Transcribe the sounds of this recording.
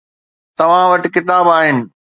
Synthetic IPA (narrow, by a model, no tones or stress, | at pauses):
t̪ɐʋ̤ãʋɐʈ̆kɪt̪aːbaːɦɪnɪ̆